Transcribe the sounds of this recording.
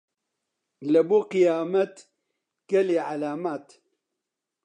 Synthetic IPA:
lɐbuːqijaːmɐt̪ | ɡ̥ɐliʕalaːmaːt̪

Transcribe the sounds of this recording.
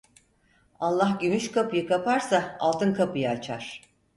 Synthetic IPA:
alˠːahɟymyʃkʰapɯjɯkʰapʰaɾsaa̰lˠt̪ʰɯnkʰapɯjat͡ʃʰaɾ̥

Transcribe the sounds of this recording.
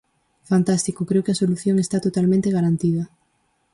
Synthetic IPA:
fant̪ast̪ikokɾewkɪasoluθjoŋest̪at̪ot̪almẽnt̪eɣaɾant̪ið̞ɐ

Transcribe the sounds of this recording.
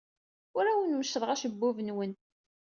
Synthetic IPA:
ʊɾæwənməʃəðˤʁaʃəbːʊvənwən

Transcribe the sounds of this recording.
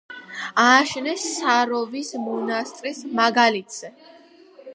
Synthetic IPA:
aːʃnɛsːaɾɔvismɔnast̪ʼɾismaɡalit̪ʰz̥ɛ

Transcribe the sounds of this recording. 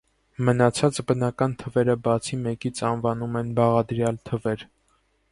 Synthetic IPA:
mənɑt͡sʰɑt͡sbənɑkɑnt̪ʰəvɛɾəbɑt͡sʰimɛkit͡sʰɑnvɑnumɛnbɑʁɑd̪ɾjɑlt̪ʰəvɛɾ

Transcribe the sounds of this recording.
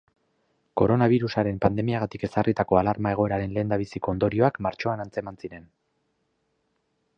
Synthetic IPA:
ko̞ɾo̞naβ̞iɾusaɾe̞mpand̪e̞miaɣ̞at̪ike̞sarʔit̪ako̞alaɾmae̞ɣ̞o̞eɾaɾe̞nle̞ːnd̪aβ̞isiko̞ːnd̪o̞ɾio̞akmaɾt͡ʃo̞anant͡se̞mansiɾe̞n

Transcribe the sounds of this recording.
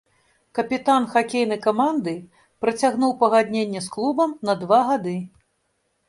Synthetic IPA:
kɐpʲit̪anxakʲejn̪ɐjkamand̪ɨ | pɾɐt͡sʲaɣnuwpɐɣad̪ʲnʲenʲːɛsklˠubɐmnɐd̪vaɣad̪ɨ

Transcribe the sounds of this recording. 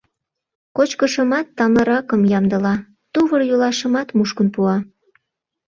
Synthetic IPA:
kot͡ɕkəʃəmɑt̪ːɑməɾɑkəmjɑmd̪əlɑ | t̪uβərjulɑʃə̆mɑt̪muʃkənpuɑ

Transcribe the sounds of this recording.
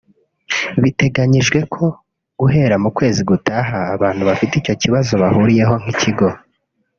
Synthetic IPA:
βite̞ɡaɲiʒɡwe̞kʰo̞ | ɡ̥uɦe̞ːɾamukwe̞ːziɡutʰaɦaːβaːn̥huβafitico̞ciβazo̞βahuːɾije̞ɦo̞ŋ̥iciɡo̞

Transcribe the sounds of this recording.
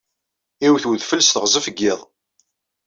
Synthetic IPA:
iwθwəðfəlsθəʁzˤəfəɡːɪðˤ

